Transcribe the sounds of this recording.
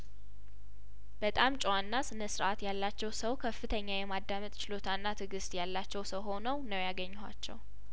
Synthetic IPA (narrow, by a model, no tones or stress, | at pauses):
b̥ət̪ʼamt͡ʃʼwanːasɨnəsɨɾʔat̪jalːat͡ʃːɛwsəwkʰəfːɨt̪ʰəɲːajɛmad̪ːamət̪ʼt͡ʃɪlo̞t̪ʰanːat̪ʰɨɡɨst̪ʼjalːat͡ʃːɛwsəwɦo̞nəwnəwjaɡəɲːha̰t͡ʃːɛ̰w